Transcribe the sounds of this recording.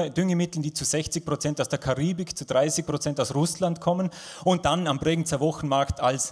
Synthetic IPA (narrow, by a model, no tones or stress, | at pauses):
d̥ʏŋəmɪtl̩nd̥iːt͡suz̥ɛçt͡sɪç̚pʁ̥ot͡sɛntaʊsd̥eːɐkʰaʁiːbɪkt͡sud̥ʁaɪsɪçpʁ̥ot͡sɛntaʊsʁʊslantkʰɔmən | ʊnt̚d̥anambʁɛɡŋ̩n̩t͡səɐvɔxn̩maɐktʰals